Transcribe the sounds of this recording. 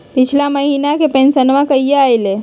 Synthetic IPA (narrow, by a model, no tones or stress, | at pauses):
pit͡ʃʰlaməɦinakepẽnsənʋakəijeajle